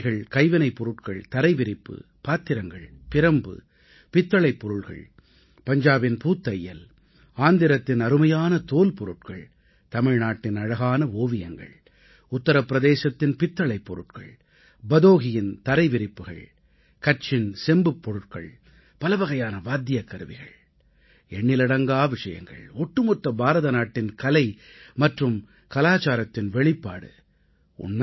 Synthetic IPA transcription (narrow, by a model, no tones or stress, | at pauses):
ɣɐɭkɐɪʋɐnɐɪpːɔɾɯʈkɐɭt̪ɐɾɐɪʋɪɾɪpːɯ̰ | paːt̪ːɪɾɐŋɡɐ̰ɭpɪɾɐmbɯ̰ | pɪt̪ːɐɭɐɪpːɔɾɯɭɣɐ̰ɭ | pɐɲd͡ʒaːbɪnpuːt̪ːɐjjːɐl | aːnd̪ɪɾɐt̪ːɪnɐɾɯmɐjaːnɐt̪oːlpɔɾɯʈ̚kɐɭ | t̪ɐmɪɻnaːʈːɪnɐɻɐɣaːnɐoːʋɪjɐŋɡɐ̰ɭ | ʊt̪ːɐɾɐpːɪɾɐðeːsɐt̪ːɪnpɪt̪ːɐɭɐɪpːɔɾɯʈ̚kɐ̰ɭ | bɐðoːɣɪjɪnt̪ɐɾɐɪʋɪɾɪpːɯɣɐ̰ɭ | kɐʈ̚t͡ʃɪnsɛmbɯpːɔɾɯʈ̚kɐ̰ɭ | pɐlɐʋɐɣɐjaːnɐʋaːd̪ːɪjɐkːɐɾɯʋɪ̰ɣɐ̰ɭ | ɛɳːɪlɪɽɐŋɡaːʋɪʂɐjɐ̰ŋɡɐ̰ɭɔʈːɯmɔt̪ːɐbaːɾɐðɐnaːʈːɪnkɐlɐɪ | mɐʈrɯm | kɐlaːt͡ʃaːɾɐt̪ːɪnʋɛɭɪpːa̰ːɽɯ̰ | ʊ̰nmɐ